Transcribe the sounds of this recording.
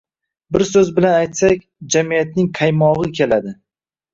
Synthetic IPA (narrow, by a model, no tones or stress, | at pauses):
bɪɾsɵzbɪlanajt̪sakʲd͡ʒamijat̪̚nɪŋqʰajmɒʁɨkʲʰe̞lad̪ɪ